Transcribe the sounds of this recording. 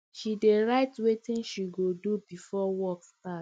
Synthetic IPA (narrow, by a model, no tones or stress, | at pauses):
ʃideɹaɪtwetĩnʃiɡodubifɔwɔkstat